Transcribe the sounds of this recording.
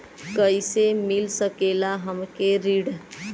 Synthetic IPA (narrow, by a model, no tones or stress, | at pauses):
kəjsemilsəkelaɦəmkeɾiɽ